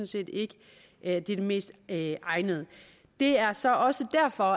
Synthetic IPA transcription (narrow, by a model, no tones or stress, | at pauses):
nse̝̰ːd̥e̝ɡ̥ə | d̥id̥eme̝̰ːsd̥ʔɑ̈ɪnəð̞̩ˠə | d̥e̝æɐsɒ̽ʔɒ̽səd̥æɐ̰fɒ̽